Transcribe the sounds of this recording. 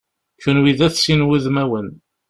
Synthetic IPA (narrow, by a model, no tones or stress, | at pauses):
çunwiðæθsinwəðmæwən